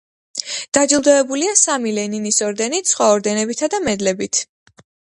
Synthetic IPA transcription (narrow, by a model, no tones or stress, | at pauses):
d̪̥ad͡ʒilˠd̪ɔɛbuliasamilɛninisɔɾd̪ɛnit̪sʰχwaɔɾd̪ɛnɛbit̪ʰad̪amɛd̪lɛbit̪ʰ